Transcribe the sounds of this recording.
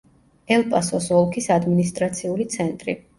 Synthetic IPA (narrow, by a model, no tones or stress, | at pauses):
ɛlˠpʼasɔsɔlˠkʰisad̪minist̪ʼɾat̪sʰiulit̪sʰɛnt̪ʼɾḭ